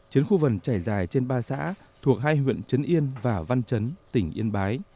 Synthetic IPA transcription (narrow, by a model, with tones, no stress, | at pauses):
t͡ɕi˨˦ənxu˧və˨˩nt͡ɕaː˧˩jzaː˨˩jt͡ɕe˧nɓaː˧sa̰ː˧˥ | t̪ʰu˨˩ək̚haː˧jɦwḭ˧˨ənt͡ɕə˨˦nʔi˧ənvaː˨˩va˧nt͡ɕə˨˦nt̪ï˧˩ŋ̟ʔḭ˧ənɓaː˨˦j